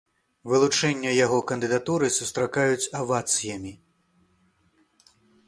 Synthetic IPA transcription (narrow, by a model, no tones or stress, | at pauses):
vɨlˠut͡ʂɛnʲːɐjaɣɔkɐnd̪ɨd̪at̪uɾɨsust̪ɾakajut͡sʲɐvat̪sɨjɐmʲi